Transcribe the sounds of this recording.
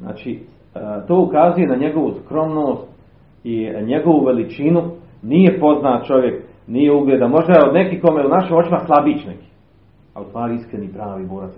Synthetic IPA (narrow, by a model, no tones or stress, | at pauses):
zna̰ːt͡ʃi | t̪o̞ːukazuje̞naɲe̞ɡo̞ʋuskɾo̞mnoːst̪ | iɲe̞ɡo̞ʋuʋe̞lit͡ʃinu | nije̞po̞znaːt̪̚t͡ʃo̞ʋje̞k | nije̞uɡlʲeːd̪amo̞ʒd̪ajeo̞d̪ne̞kiːkomeunaʃimo̞t͡ʃimaslˠabit͡ɕneki̥ː | a̰ust̪ʋaːɾiiskɾenipɾaːʋiːboːɾat̪